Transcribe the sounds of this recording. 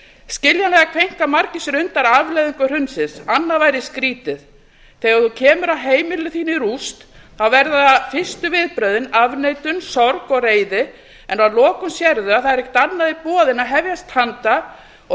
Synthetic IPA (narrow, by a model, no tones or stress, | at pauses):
scɪljanlɛːɣakʰvejŋ̥kamaɾcɪsɾʏnt̪aɾavlejðʏŋkʏr̥ʏnsɪnsanːavajɾɪskɾiːt̪ɪð | θɛːɣaɾθucʰɛːmʏɾaðɦeːjmɪlʏθiːnɪɾust̪θawvɛɾðafɪst̪ʏvɪðpɾœɥðɪnavnejt̪ʏnsɔɾkɔɣreːjðɪ | ɛnaðlɔːkʏmsjɛɾðʏaðθaðɛɾɛcɪ̥t̪annːaðipɔːðɪnaɦɛvjast̪hant̪a | ɔ